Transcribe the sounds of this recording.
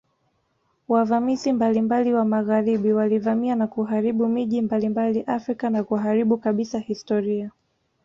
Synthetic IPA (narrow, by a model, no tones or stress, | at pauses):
wavamizimbalimbaliwamaɣaɾiɓiwalivamianakuɦaɾiɓumiʄimbalimbaliʔafɾikanakuɦaɾiɓukaɓisahistɔɾia